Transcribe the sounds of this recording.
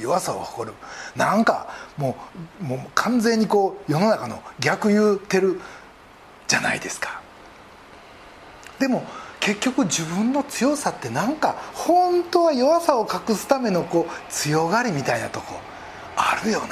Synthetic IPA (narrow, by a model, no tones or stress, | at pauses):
jo̞βasao̰kḁko̞ɾɯ̟nãŋka̰mo̞ːmoːkʰãnd͡zẽ̞ɲ̟ːiko̞ːjo̞no̞nakano̞̰ɡʲakɯ̟jɯːt̪e̞ɾɯ̟ | d͡ʑana̰ḭd̪e̞sɨ̥kḁ | d̪e̞mo̞ke̞kʲːo̞kɯ̟ʑibɯ̟̃nːo̞t͡sɨjo̞sat̪ːe̞nãŋkahõ̞nt̪o̞βajo̞βasao̞kakɯ̟sɨ̥t̪ame̞no̞ko̞ːt͡sɨjo̞ɡaɾʲimʲit̪aina̰t̪o̞ko̞̰ | aɾɯ̟jo̞n